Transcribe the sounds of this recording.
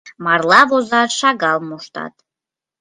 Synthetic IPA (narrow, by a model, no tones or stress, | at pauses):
marlavozaʂaɡalmuʂtʰa̰tʼ